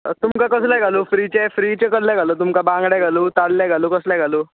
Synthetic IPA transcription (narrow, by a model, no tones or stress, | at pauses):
t̪umkakəslajɡʱaloːfɾit͡ɕefɾit͡ɕekəɾljaɡʱaloːt̪̬umkabãŋɡɽjaɡʱaluːt̪aɽljaɡʱaluːkəslaɡʱaloː